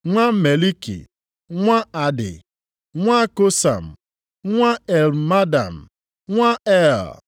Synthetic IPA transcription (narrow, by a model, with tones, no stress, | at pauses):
ŋʷa˦me˨li˦kḭ˨ | ŋʷa˦a˨dɪ̰˨ | ŋʷa˦ko˦sa̰˨m̩˨ | ŋʷa˦ɛ˨lma˦da̰˨m̩˨ | ŋʷa˦ɛ˦˨l